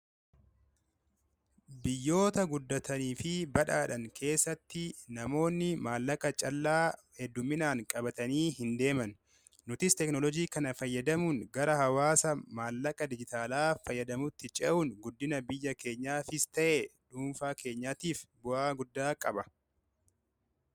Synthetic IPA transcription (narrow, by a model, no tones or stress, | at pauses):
bɪjːo̞ːt̪ɐɡʊd̪ːɐt̪ʰɐniːfɪbɐᶑaːᶑɐŋkʰe̞ːsːɐt̪ːɪnɐmo̞ːnːɪmaːlːɐkʼɐt͡ʃʼɐlːaː | hɛd̪ːʊmːɪnaːŋkʼɐbɐt̪ɐniːɦɪnd̪e̞ːmɐnː | ʊt̪ɪst̪ɛknɔlɔd͡ʒiːkɐnɐfɐjːɐd̪ɐmʊŋɡɐɾɐhɐwaːsɐmaːlːɐkʼɐd̪ɪd͡ʒɪt̪aːlaːfɐjːɐd̪ɐmʊt̪ːɪt͡ʃʼɛʔʊŋɡʊd̪ːɪnɐbɪjːɐke̞ːɲːaːfɪst̪ɐʔeᶑuːmfaːkʰe̞ːɲːaːt̪iːfbʊʔaːɡʊd̪ːaːkʼɐbɐ